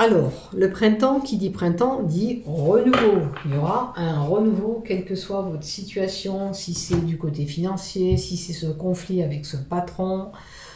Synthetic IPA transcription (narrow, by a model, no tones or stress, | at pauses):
alɔːʁləpχɛ̃t̪ɑ̃kʲid̪ipχɛ̃t̪ɑ̃d̪iʁənuvojɔʁaɛ̃ʁənuvokʲɛlkəswavɔt̪χəsit̪ɥasjɔ̃sisɛd̪ykot̪efinɑ̃sjesisɛsəkɔ̃fliavɛksəpat̪χɔ̃